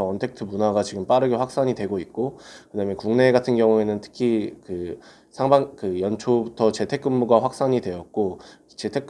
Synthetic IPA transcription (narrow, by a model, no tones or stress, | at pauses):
ʌʌntʰe̞k̚tʰɯmunaɡat͡ɕiɡɯmp͈aɾɯɡeɸwak̚s͈aɲidwe̞ɡoit̚k͈okɯdamjʌnkuŋne̞ːɡatʰɯnɡjʌŋue̞nɯntʰɯ̥kʰikɯ | sʰaŋbaŋkɯjʌnt͡ɕʰobutʰʌt͡ɕe̞tʰe̞k͈ɯmːuɡwaɸwak̚s͈aɲidwe̞jʌt̚k͈o | t͡ɕe̞tʰe̞k͈